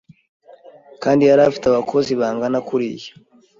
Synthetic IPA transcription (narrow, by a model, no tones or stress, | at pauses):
kaːndiaɾafi̥taβakʰo̞ziβaːŋɡanakuɾijḁ